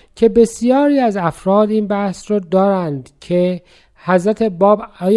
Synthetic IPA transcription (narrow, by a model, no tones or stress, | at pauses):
cʰe̞be̞sjɒːɾiːæzæfɾɒːd̪iːnbæhsɾɒːd̪ɒːɾænd̪cʰe | hæzɾæt̪ʰe̞bɒːb